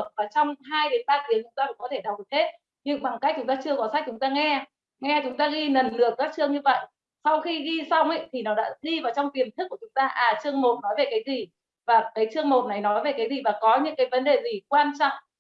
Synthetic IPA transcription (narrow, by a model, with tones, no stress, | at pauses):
ə˩k̚vaː˨˩t͡ɕɔ˧wŋ͡mɦaː˧jɗe˨˦nɓaː˧t̪i˨˦əŋt͡ɕʊ˨˦ŋ͡mt̪aː˧kʊ̰˧˥ŋ͡mkɔ˨˦t̪ʰe˧˩ɗa˨˩k͡p̚ɗɨ˨˩the˦˥t̚ | ɲɨ̰˧ŋɓa˨˩ŋka˦˥k̚t͡ɕʊ˨˦ŋ͡mt̪aː˧t͡ɕɨ˧əkɔ˨˦sa˦˥k̚t͡ɕʊ˨˦ŋ͡mt̪aː˧ŋɛ˧ | ŋɛ˧t͡ɕʊ˨˦ŋ͡mt̪aː˧ɣi˧nə˨˩nlɨ˧˩ək̚kaː˦˥k̚t͡ɕɨ˧əŋɲɨ˧və̰˧˨j | sa˧wxi˧ɣi˧sa˧wŋ͡mʔə̰˦˧˥jt̪ʰi˨˩nɔ˨˦ɗa̰ː˧˥ɗi˧vaː˨˩wt͡ɕɔ˧wŋ͡mt̪i˨˩əmnt̪ʰkːu˧˩ət͡ɕʊ˨˦ŋ͡mt̪aː˧ʔaː˨˩t͡ɕɨ˧əŋmo˨˩t̚nɔ˨˦jve˨˩kaː˨˦jzi˨˩ | vaː˨˩kaː˨˦jt͡ɕɨ˧əŋmo˨˩t̚na˨˩jnɔ˨˦jve˨˩kaː˨˦jzi˨˩vaː˨˩kɔ˨˦ɲɨ̰˧˥ŋkaː˨˦jvə˨˦nɗe˨˩zi˨˩kwaː˧nt͡ɕɔ̰˧˨ŋ͡m